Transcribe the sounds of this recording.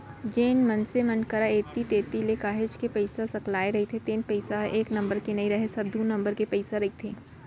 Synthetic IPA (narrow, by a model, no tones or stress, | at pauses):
d͡ʒeːnmɐ̃nsemɐnkəɾaeːt̪it̪eːt̪ilekaːɦed͡ʒkepɛɪsasɐklaːeɾɐɦit̪ʰet̪eːnpɛɪsaeːknɐ̃mbəɾkenɐiɾɐɦesɐb̚d̪ʱũnɐ̃mbəɾkepɛɪsaɾɐɦit̪ʰeː